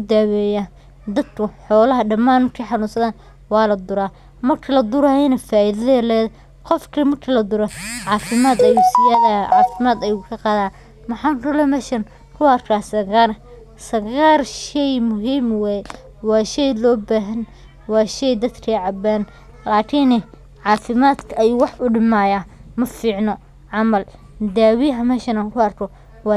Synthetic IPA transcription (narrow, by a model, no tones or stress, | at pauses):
ʊd̪aːwɛːjaː | d̪ɐd̪kʰʊħɔːlɐɦɐɖɐmaːnmɐrkʰiħɑnʊnsɐðaːn | wɑːlɐd̪ʊɾaː | mɐrkʰɐlɐd̪ʊɾɐjɐnɐfaːʔiðɐðɐlɛːð | qɔfkʰimɐrkʰɐlɐd̪ʊɾɐʕɑːfɪmaːd̪ɐjusɪjaːʕɑ̰ːfɪmaːd̪ɐjukʰɐqɑːðaː | mɐħɑːŋkʰʊlɛmɛːʃɐn | kʰʊɐrkʰaːsɐɣaːr | sɐɣaːrʃɛjmʊɦiːmwɛːjɛ | wɑːʃɛjlɔːbaːɦɐn | wɑːʃɛjd̪ɐd̪kʰɐʕɑbaːn | laːkʰiːnɛ | ʕɑːfɪmaːd̪kʰɐɐjuːwɑħʔʊɖɪmaːjaːmɐfiːʕnɔ | ʕɑmɐl | d̪aːwiɦɐmɛːʃɐnɐkʰʊɐrkʰɔ | wɑ